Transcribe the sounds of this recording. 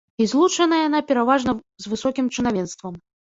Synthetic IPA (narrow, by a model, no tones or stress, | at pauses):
izlˠut͡ʂɐnɐjanapʲɛɾavaʐnɐ | zvɨsɔkʲimt͡ʂɨnavʲɛnst̪vɐm